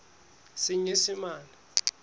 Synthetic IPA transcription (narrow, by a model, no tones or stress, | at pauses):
siɲisimaːna